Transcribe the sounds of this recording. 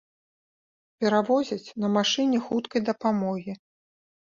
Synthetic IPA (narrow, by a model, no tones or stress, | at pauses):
pʲɛɾavɔzʲɐt͡sʲn̪ɐmaʂɨnʲɛxut̪kɐjd̪ɐpamɔɣʲi